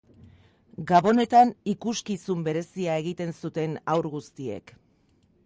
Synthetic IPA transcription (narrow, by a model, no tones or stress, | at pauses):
ɡaβo̞ne̞t̪anikuskisumbe̞ɾe̞siae̞ɣ̞it̪e̞nsut̪e̞nawɾɣust̪ie̞̰k